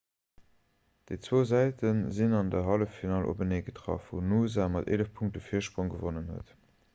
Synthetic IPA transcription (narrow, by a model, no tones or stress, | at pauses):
d̥əɪt͡swoːzæɪtənzinɑndəɦɑləfːinɑːlʔo̰bəneːɡətʁɑ̰fvṵːnuːzaːmɑtḛːləfpʰuŋktəfiɐʃpʁoŋɡəvonənɦə̰t